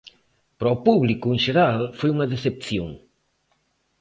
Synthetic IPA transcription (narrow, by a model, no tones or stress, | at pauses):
pɾɔpuβlikʊeŋʃeɾalfojuŋɐðeθepθjõ̰ŋ